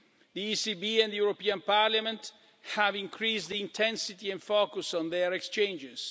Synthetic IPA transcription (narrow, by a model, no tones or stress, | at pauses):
ðiisibiɛ̃ndðəjuɹopiãnpaɹljamɛ̃nt | hævĩŋkʰɹisd̪iĩntʰɛ̃nsit̪iɛ̃nfokusɔ̃nðɛɹɛkst͡ʃẽnd͡ʒɪz̥